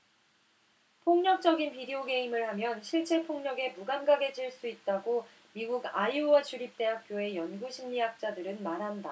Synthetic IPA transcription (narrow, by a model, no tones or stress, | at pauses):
pʰoŋɲʌk̚t͡ɕ͈ʌɡinpʰideoɡe̞imɯɭhamjʌnɕʰiɭt͡ɕ͈e̞pʰoŋɲʌɡe̞muɡanɡaɡe̞d͡ʑiɭs͈uit̚t͈aɡo | miɡuɡaiuwat͡ɕʰuɾip̚t͈e̞ɦak̚k͈joe̞jʌnɡuɕʰimɲijak̚t͡ɕ͈adɯɾɯnmaɾɦanda